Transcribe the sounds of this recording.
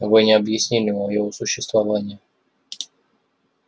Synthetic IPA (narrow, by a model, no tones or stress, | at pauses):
ɐvojnʲɪɐbjɪsʲnʲenʲɪɐjovosʊɕːɪst̪vɐvanʲɪjə